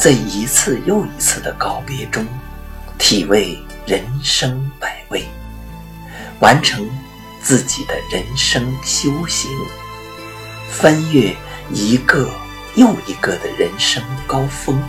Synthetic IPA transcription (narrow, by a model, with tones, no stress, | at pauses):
t͡sa˥˩ɪi˧˥t͡sʰɹ̩˥˧jo˥˩ʊi˧˥t͡sʰɹ̩˥˩d̪ə˩kɑ˥ʊpjɛ˧˥ʈ͡ʂʊ˥ŋ | t̪ʰi˨˩we˥˩ɪ | ɻə˧˥nʂɤ˥ŋpa˨˩ɪwe˥˩ɪ | wa˧˥nʈ͡ʂʰɤ˧˥ŋ | t͡sɹ̩˥˩t͡ɕi˨˩d̪ə˦ɻə˧˥nʂɤ˥ŋɕjo˥ʊɕi˧˥ŋ | fa˥nɥɛ˥˩i˧˥ɡə˥˧ | jo˥˩ʊi˧˥ɡə˥˧˩d̪ə˩ɻə˧˥nʂɤ˥ŋkɑ˥ʊfɤ˥ŋ